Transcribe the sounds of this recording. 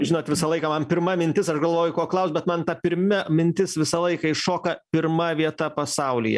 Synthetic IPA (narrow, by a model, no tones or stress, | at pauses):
ʒʲɪnoːt̪ʲʋʲɪsɐlˠɐɪkɐmɐnpʲɪɾmɐmʲɪnʲt̪ʲɪsɐʃɡɐlˠʋoːjʊkoːklˠɐʊsʲbʲɛt̪mɐnt̪ɐpʲɪɾʲmʲɛmʲɪnʲt̪ʲɪsʋʲɪsɐlˠɐɪkɐɪʃoːkɐpʲɪɾmɐʋʲiɛt̪ɐpɐsɐʊlʲɪ̰jɛ̰